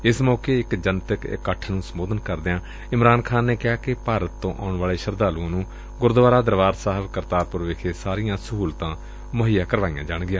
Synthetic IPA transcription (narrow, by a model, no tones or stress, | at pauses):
ɪsmɔːkeːɪkd͡ʒənt̪əkkːəʈʰnũːsəmoːd̪ənkəɾd̪ɪãː | ɪmɾaːnkʰaːnːeːkɪaːkɪpaːɾət̪ːõːʔaːʊɳʋaːleːʃəɾd̪aːluãːnũː | ɡʊɾd̪ʋaːɾaːd̪əɾʋaːɾsaːɦəbkəɾt̪aːɾpʊɾʋekʰeːsaːɾɪjãːsəɦuːlt̪ãː | məɦijaːkəɾʋaːijãːd͡ʒaːɳɡɪjãː